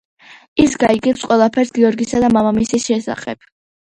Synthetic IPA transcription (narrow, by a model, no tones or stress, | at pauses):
isɡaiɡɛsqʼwɛlˠapʰɛɾsɡiɔɾɡisad̪amamamisisʃɛsa̰χɛ̰b̥